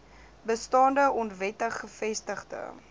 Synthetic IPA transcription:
bəstɑːndəʔɔntvɛtəχːəfɛstəχdə̰

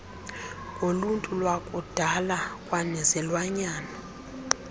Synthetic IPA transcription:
ŋoluntʼulwakʼud̥ʱalakʼwanɛzɛlwaɲaːna

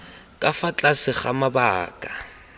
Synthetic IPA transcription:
kʼafat͡ɬʼasɪχamabaːkʼa

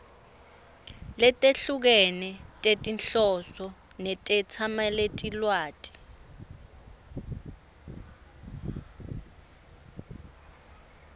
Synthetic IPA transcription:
lɛtʼeɬuk̬ɛnɛtʼetʼinɬɔsɔ | nɛtʼɛt͡sʰamaletʼilwaːtʼi̥

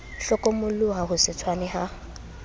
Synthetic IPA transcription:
ɬɔkʼɔmʊlʊɦahʊsɪtʰwanɪɦa

